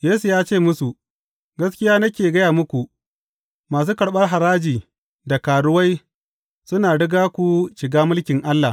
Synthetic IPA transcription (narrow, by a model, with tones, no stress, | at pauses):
jeː˦su˨jaː˦t͡ʃeː˦˨mʊ˦su˨ | ɡɐ˦skʲɪ˦jaː˦nɐ˦kʲeː˨ɡɐ˦jaː˨mʊ˦kʷu˨ʔ | maː˨s̬uː˦kɐ˨ɽɓɐ˦rɦa˨ɾaː˦d͡ʒiː˨ | da˨kaː˨ɽʊ˦wa˦j | sʊ˦naː˨ɽɪ˦ɡaː˦kʷu˨ʃɪ˨ɡaː˦mʊ˦lkʲɪ˨ŋʔa˦lːa˨